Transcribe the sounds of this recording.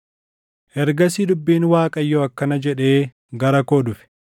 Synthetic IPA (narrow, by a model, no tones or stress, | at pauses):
ʔɛɾɡɐs̬id̪ʊbːiːnwaːkʼɐjːoɐkːɐnɐd͡ʒɛᶑe̞ː | ɡɐɾɐkoːd̪ʊfɪ̥